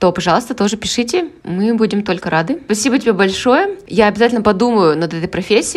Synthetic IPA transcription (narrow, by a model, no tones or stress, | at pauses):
t̪opɐʐɑlˠəst̪ət̪o̞ʐɨpʲɪʂɨtʲɪmɨbudʲɪmt̪o̞lʲkəɾad̪ɨpɐsʲibətʲɪbʲebɐlʲʂo̞jəjaɐbʲɪzatʲlʲnəpɐd̪uməjʊnɐd̪ɛt̪əjpɾɐfʲesʲːɪ